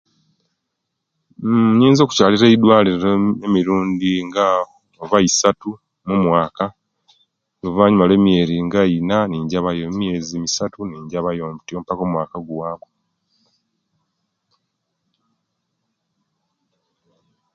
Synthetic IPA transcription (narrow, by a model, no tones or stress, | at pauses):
ɲiːnzo̞ːku̥caːliɾeidwaːliɾeɾemiɾuːndiŋɡa | oβaisatu | mumwaːka | lovaːɲumale̞ːmje̞ːɾiŋɡainaniːɲɟaβajommjezimisatuniːɲɟaβajoːmbutiompako̞mwaːkaɡuwaːko̥